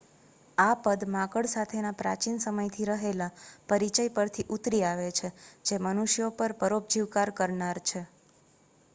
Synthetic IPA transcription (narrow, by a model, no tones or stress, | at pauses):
apəd̪mãkəɽsat̪ʰenapɾa̰t͡ʃinsəməjt̪ʰiɾəɦelapəɾit͡ʃəjpəɾt̪ʰiʔut̪ɾiaʋet͡ʃʰed͡ʒemənuʃjopəɾpəɾop̚d͡ʒiʋkaɾkəɾnaɾt͡ʃʰe